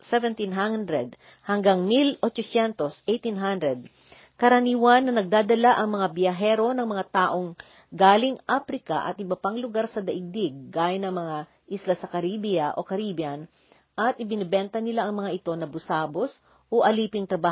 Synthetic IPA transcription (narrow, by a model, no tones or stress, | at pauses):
sɛvɛnt̪inɦand̪ɾɛd̪̚ | hɐŋɡaŋmilot͡ʃosɛnt̪osʔejt̪inɦand̪ɾɛd̪̚ | kɐɾɐniːwɐnːɐnɐɡ̚d̪aːd̪ɐlaʔɐŋmɐŋabjɐɦɛɾo̞nɐŋmɐŋat̪aːʔo̞ŋ | ɡaːlɪŋʔafɾɪkaʔɐ̰t̪̚ʔɪbɐpaŋlʊɡaɾsɐd̪ɐʔɪɡ̚d̪ɪɡ̚ːaːjɐnɐŋmɐŋa | ʔislasɐkɐɾiːbijɐʔo̞kɐɾiːbjɐn | ʔɐt̪̚ʔɪbɪnɪbɛnt̪ɐnɪlaʔɐŋmɐŋaʔɪt̪o̞nɐbʊsaːbos | ʔoʔɐliːpɪŋt̪ɾɐbaː